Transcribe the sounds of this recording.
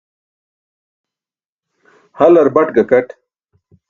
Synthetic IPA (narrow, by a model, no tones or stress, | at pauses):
hɐlɐɾbɐʈɡɐkɐʈ